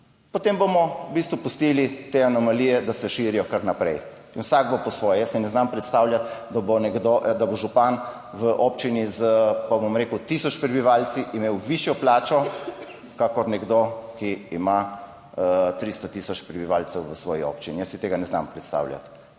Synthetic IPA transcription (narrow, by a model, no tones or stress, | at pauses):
pot̪embomɔbist̪ʋupust̪ilit̪eanɔmaliːjɛd̪asɛʃiɾijɔkaɾnapɾɛj | inwsaɡ̚bopɔsʋɔːjɛjəsinɛznampɾɛt̪st̪awljat̪d̪abonɛɡd̪od̪aboʒupan | ʋəʔopt͡ʃinizəpabomɾeːkwt̪isɔt͡ʃpɾɛbiʋaːlt̪t͡s̪iʔimeːwʋiʃjɔplaːt͡ʃɔ | kakɔɾnɛɡd̪okiːma | t̪ɾist̪ɔt̪isɔt͡ʃpɾɛbiʋaːlsɛwʋəsʋɔːjḭɔ̰ːpt͡ʃinijəsit̪eɡanɛzna̰mpɾɛt̪st̪a̰wlja̰t̪